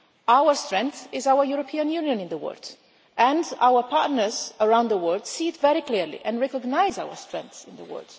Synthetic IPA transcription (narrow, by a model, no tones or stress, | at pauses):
awəɹstɹɛ̃ŋkθɪzawəɹjuɾɔpʰiãnjunijɔ̃nɪ̃nðəwɜ̰ld | ʔɛ̃nda̰wəɹpʰatnəɹzəɹãw̃nd̪ðəwɜldsit̪vɛɾikliɹlḭʔɛ̃nɹɛkɔɡnajzawə̰ɹstɹɛ̃ŋθɪ̃nd̪ə̰wɜ̰ɹd̥